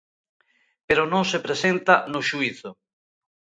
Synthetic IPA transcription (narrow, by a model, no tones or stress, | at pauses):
peɾonõŋsepɾesent̪anʊʃuiθʊ